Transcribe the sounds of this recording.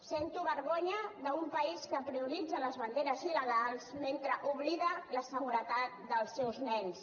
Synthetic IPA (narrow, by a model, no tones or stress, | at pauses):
sent̪uβəɾɣoɲəðəumpəiskəpɾiuɾid͡zələzβənd̪eɾəziləɣ̞alˠsment̪ɾəʔuβliðələsəɣuɾət̪at̪̚d̪əlˠsːɛwznɛns